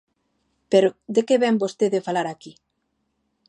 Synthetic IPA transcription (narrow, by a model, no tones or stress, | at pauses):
peɾod̪ekeβɛmbost̪eðefalaɾaki